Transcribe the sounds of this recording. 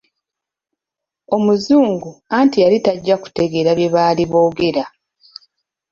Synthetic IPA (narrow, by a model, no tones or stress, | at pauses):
o̞muzuːŋɡuaːntijalitaɟːaku̥te̞ɡe̞ɾaβje̞βaːliβo̞ːɡe̞ɾa